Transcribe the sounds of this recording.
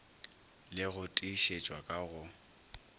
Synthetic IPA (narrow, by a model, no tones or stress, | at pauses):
lɪɣʊtʼiʃet͡ʃʼwakʼaɣʊ